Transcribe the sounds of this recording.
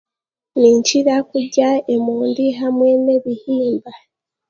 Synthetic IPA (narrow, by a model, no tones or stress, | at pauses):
niːɲt͡ʃiɾakuɟaemuːndiɦamweneβihiːmba